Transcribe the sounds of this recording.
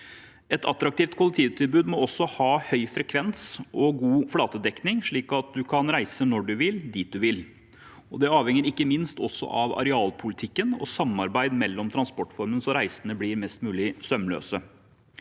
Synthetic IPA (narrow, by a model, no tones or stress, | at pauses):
ɛt̪ʰɑ̰t̪ɾɑk̚t̪iːft̪̚kʊlək̚t̪ʰiːʋt̪ʰɪlbʉːd̪mɔɔsːɔhɑːhœʏfɾɛkʰʋɛnsʔɔɡuːflɑːt̪əd̪ɛknɪŋʂɭiːkɑt̪̚d̪ʉkʰɑnɾæɪsənɔɖʉʋɪld̪it̪̚d̪ʉʋɪl | ɔd̪ɛɑːʋhɛŋːəɾɪkːəmɪnst̪ɔsːɔ̰ʔɑʋɑ̰ɾɛɑːlpʰʊlɪt̪ʰɪkːənɔ̰sɑmːɑɾbæɪd̪mɛlːɔmt̪ʰɾɑnspɔʈːfɔɾmənsɔɾæɪsənəbliɾmɛst̪mʉːlɪsœmlø̰ːsə